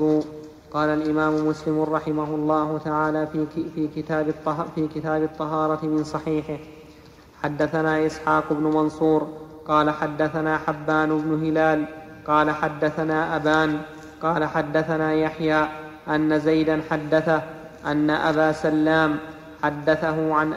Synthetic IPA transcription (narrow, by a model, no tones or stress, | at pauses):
uː | qɑːlalʔɪmaːmʊmʊslɪmʊɾˤɑħɪmaɦʊlˤːɑːhʊt̪aʕaːlaːfiːkɪt̪aːbɪt̪ˤːfiːkɪt̪aːbɑt̪ˤːɑɦɑːɾˤɑt̪ɪmɪnsˤɑħiːħɪ | ħad̪ːaθanaːʔɪsħaːqʊbnʊmɑnsˤuːɾ | qɑːlaħad̪ːaθanaːħabːaːnʊbnʊɦɪlaːl | qɑːlaħad̪ːaθanaːʔabaːn | qɑːlaħad̪ːaθanaːjaħjaː | ʔanːazajd̪anħad̪ːaθa | ʔanːaʔabaːsalːaːm | ħad̪ːaθaɦʊʕanʔ